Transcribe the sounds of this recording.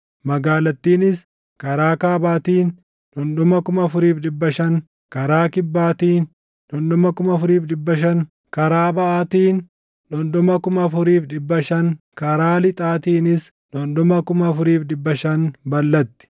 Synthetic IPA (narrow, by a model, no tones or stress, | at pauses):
mɐɡaːlɐt̪ːiːnɪs | kɐɾaːkaːbaːt̪iːn | ᶑɔnɗ̪ʊmɐkʊmɐfʊɾiːfᶑɪbːɐʃɐŋ | kɐɾaːkɪbːaːt̪iːn | ᶑɔnɗʊmɐkʊmɐfʊɾiːfᶑɪbːɐʃɐŋ | kɐɾaːbɐʔaːt̪iːn | ᶑɔnd̪ɔmɐkʊmɐfʊɾiːfᶑɪbːɐʃɐŋ | kɐɾaːlɪt̪ʼaːt̪iːnɪs | ᶑɔnɗ̪ɔmɐkʊmɐfʊɾiːfᶑɪbːɐʃɐnbɐlːɐt̪ːɪ̥